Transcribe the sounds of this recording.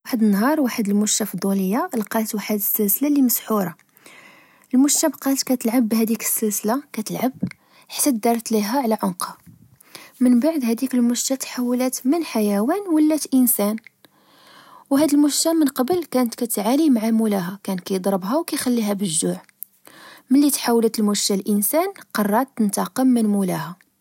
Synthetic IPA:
ħəd̪ənːɦɑɾˤwaħəd̪əlmʊʃːæfid̪ˤːuləjːalqɑt̪waħəd̪əsːəlsəlaliməsħuɾˤɑ | əlmʊʃtːæbqɑlt̪kæt̪əlʕabːhæd̪ikə̥sːəlsəlakæt̪əlʕab | ħḁt̪ːæd̪ɑɾˤt̪liɦæʕlæʕʊnqhɑ | mənbaʕd̪hæd̪ikəlmʊʃːæt̪ħawːlæt̪mənħajæwænwəlːæt̪ʔənsæn | wɦæd̪əlmʊʃːæmənqɑbəlkænət̪kæt̪ʕanimaʕamulæɦækænt̪kæjəd̪ˤɾəbɦæwkæjxælːiɦæbəʒːuʕ | məlːit̪ħawlət̪əlmuʃːælʔənsænqɑrˤːɑˤt̪ːənt̪ɑqəmːənmulæhæ

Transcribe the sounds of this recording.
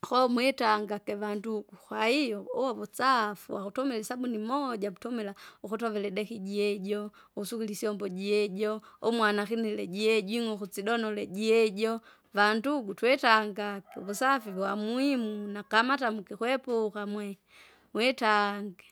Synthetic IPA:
xɔmwɛtaŋɡakɛvanduɡ̥uxwaijɔɔwɔβɔt͡safuwakutɔmɛlɛsabunimɔɟaβutɔmɛlaukutɔvɛlɛdɛkiɟiɛɟɔ | usukilisiɔmbɔɟiɛɟɔɔmwanakinɛlɛɟiɛɟwiŋɔkut͡siɗɔnɔlɛɟiɛɟɔ | vanduɡutwɛtaŋɡakɛ̰βusafiβwamwimunakamatamukɛkwɛpukamwɛ | mwɛtaŋɡɛ

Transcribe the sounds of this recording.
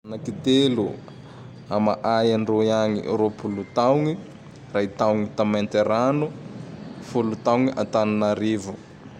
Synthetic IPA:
nakit̪elu | ama̰ʔajanroiaŋḭɾopulut̪awŋi | rait̪awŋit̪ament̪eɾanu | fulut̪awŋiʔa̰t̪aninaɾivu

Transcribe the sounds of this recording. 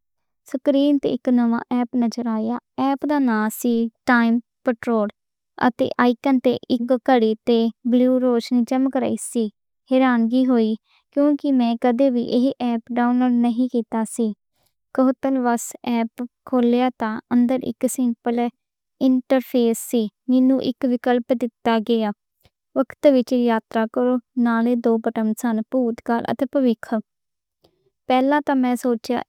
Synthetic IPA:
səkɾiːnt̪ḛːɪknəʋã̰ːʔɛːpnəd͡ʒəɾaːjaːɛːpd̪aːnaːsiːʈaːim | pəʈɾoːɖ | ə̰t̪ḛːʔaːikənt̪ḛːʔɪkkəɽiːt̪eːbluːɾoːʃniːt͡ʃəmkɾa̰ːiːsiː | heːɾaːnɡiːɦoːiː | kjõːkɪmɛ̃ːkəd̪eːʋḭːʔɪɦʔɛːpɖaːunloːɖnəɦĩːkiːt̪aːsiː | kəɦʊt̪ənʋəsɛːpkʰoːljaːt̪ãːʔənd̪əɾɪ̰ksɪ̃mpəl | ɪɳʈəɾpʰeːsːiːmɛnũːʔɪ̰kʋɪkəlpd̪ɪt̪ːaːɡɪaː | ʋəkʰt̪ʋɪt͡ʃːjaːt̪ɾaːkəɾoːnaːleːd̪oːbəʈəmsənpuːt̪kaːlʔə̰t̪eːpəʋɪkʰ | pɛːlãːt̪ãːmɛ̃ːsoːt͡ʃja̰ː

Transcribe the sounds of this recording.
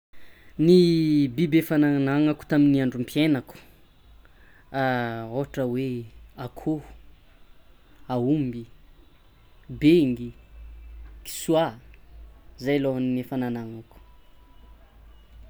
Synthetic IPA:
nibibefananaŋaku̥t̪aminiaɳɖ͡ʐumpʰjenaku̥ | aoʈ͡ʂəweakʰo̥ | aumbi | beŋɡi | ki̥swa | zajloɦannefananaŋaku̥

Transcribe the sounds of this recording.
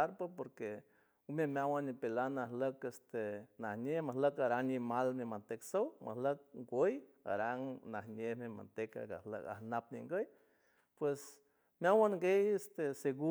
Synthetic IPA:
aɾpapoɾke | memjawanːipelanahləkest̪enahɲehmahləkaɾaŋɲimalmemant̪eksowma̰hlək̚ɡʷəj | a̰ɾaŋnahɲehmema̰nt̪eka̰ɡa̰hlə̰ka̰hnap̚nḭŋɡəj | pwes | mjawaŋɡejest̪eseɡu

